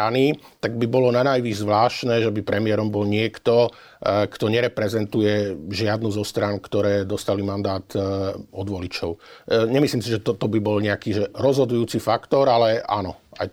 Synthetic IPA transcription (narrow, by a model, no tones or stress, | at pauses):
ani | t̪aɡ̚bibɔlɔnanajʋizzʋlaːʃnɛːʒɛbipɾɛmɪɛɾɔmbɔlɲɪɛkt̪ɔ | kt̪ɔɲɛɾɛpɾɛzɛnt̪ujɛʒɪad̪nuzɔst̪ɾankt̪ɔɾɛːd̪ɔst̪alimand̪aːt̪ɔd̪ʋɔlit͡ʃɔʊɲɛmisliːmsiʒɛt̪ɔt̪ɔbibɔlɲɛakiːʒɛɾɔzɦɔd̪ujuːt͡sifakt̪ɔɾalɛa̰nɔa̰j